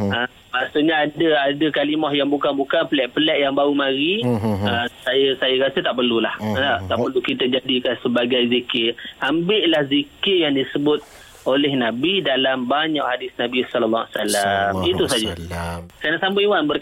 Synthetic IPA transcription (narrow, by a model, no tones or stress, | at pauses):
ə | maʔsuʔɲaadəadəkalimɔhjaŋbukanbukanpəlɛʔpəlɛʔjaŋbaumaɾiəsajəsajəɾasət̪aʔpərlulahaʔt̪aʔpərlukit̪ad͡ʒadikansəbaɡajzikɪrambɪʔlahzikɪrjaŋdisəbʊt̪̚ | ʔolɛhnabidalambaɲaʔhadɪsnabisɔləlːɔasalamit̪usad͡ʒakanaʔsambawanbərk